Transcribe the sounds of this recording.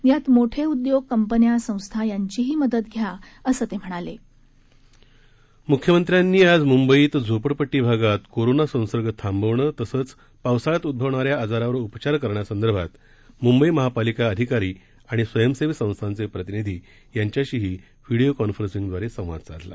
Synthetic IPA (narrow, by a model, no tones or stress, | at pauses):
jat̪moʈʰeud̪joɡ̚kəmpənjasə̃w̃st̪ʰajaɲt͡ɕiɦiːməd̪ət̪ɡʱja | əsət̪em̤əɽ̃ale | mukʰjəmənt̪ɾjanːiːad͡zmumbəiːt̪d͡zʱopəɽpəʈːiːbʱaɡat̪koɾonasə̃w̃səɾɡət̪ʰambəʋɳət̪əsəːt͡s | paʋsaɭat̪ud̪̚bʱəʋɳaɾjaːd͡zaɾaʋəɾupt͡ɕaɾkəɾɳjasənd̪əɾbʱat̪ | mumbəiməɦapalikaəd̪ʱikaɾiː | aɽ̃isʋəjəmseʋsə̃w̃st̪ʰant͡sepɾət̪inid̪ʱiː | jaɲt͡ɕjaɕiːɦiː | ʋiɽiokɔnfəɾsiŋɡd̪ʋaɾesə̃w̃ʋa̰d̪̚t͡sa̰t̪la̰